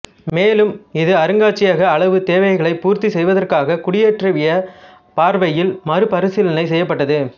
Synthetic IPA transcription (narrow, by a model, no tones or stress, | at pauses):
meːlɯmɪðɯɐɾɯŋɡaːʈt͡ʃːɪjaːɣɐːɭɐʋɯt̪eːʋɐɣɐɭɐɪpuːɾt̪isɛjʋɐðɐrkaːɣɐkʊɽɪjeʈrɐʋɪjɐ | paːɾʋɐjɪlmɐɾɯpɐɾɯsɪlɐnɐɪsɛjːɐpːɐʈːɐðɯ